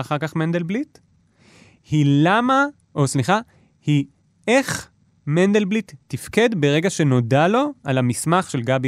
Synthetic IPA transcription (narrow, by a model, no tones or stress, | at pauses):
aχaʁkaχmend̪elblit | hilama | ʔo̞sliχa | hi | eχ | mend̪elblitːifke̞dbeʁe̞ɡaʃe̞no̞dalo̞alamismaχʃe̞lɡab